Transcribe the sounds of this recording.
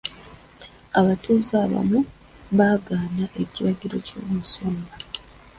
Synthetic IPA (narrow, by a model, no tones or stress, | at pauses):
aβatuːzaːβa̰mu | βaːɡaːnaʔe̞ciɾaɟiɾo̞̰co̰ːmusoːmba